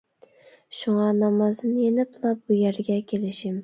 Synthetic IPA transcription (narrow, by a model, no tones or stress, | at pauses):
ʃʊŋɑnɑmɑzɨnjenɪplˠap̚bʊjaɾɡʲakʲʰelɪʃɪm